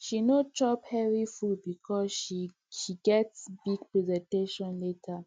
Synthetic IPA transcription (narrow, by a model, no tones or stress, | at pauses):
ʃinot͡ʃɔphɛɹifud̚bikʰɔsʃi | ʃiɡɛtsbiɡ̚pɹɛzɛ̃nteʃɔ̃nletʰa